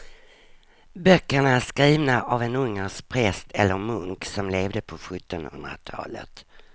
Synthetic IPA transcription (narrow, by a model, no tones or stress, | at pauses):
bœkːəɳaæʂkɾiːvnaʔavɛnɵŋːəʂpʰɾɛst̪ʰɛlːəɾmɵŋksɔmleːvd̪əpʰɔɧɵt̪ːɔnhɵ̰nd̪ɾa̰t̪ʰɑ̰ːlə̰t̪